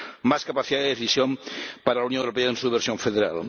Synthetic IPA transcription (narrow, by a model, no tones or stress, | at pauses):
maskapaθiðaðeðeθisjompaɾalawnjõŋwɾopeaensuβeɾsjoɱfeðeɾa̰l